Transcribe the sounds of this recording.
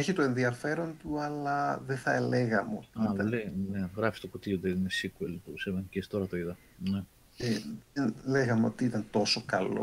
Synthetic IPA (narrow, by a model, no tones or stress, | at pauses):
eçit̪o̞e̞nðiɐfe̞ɾo̞nt̪uɐlɐðeθɐele̞ɣɐmeo̞t̪iɐit̪ɐlleneɣɾɐfi̥st̪okut̪iod̪einesikuelt̪usemɐncest̪o̞ɾɐt̪oiðɐ | ne | eenleɣɐmeo̞̰t̪iit̪ɐnt̪o̞so̞kɐlo̰